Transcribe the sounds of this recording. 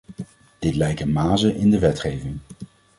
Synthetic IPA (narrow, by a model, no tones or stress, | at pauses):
d̥ɪtlɛjkənmaːzəʔɪndəʋɛtχejvɪŋ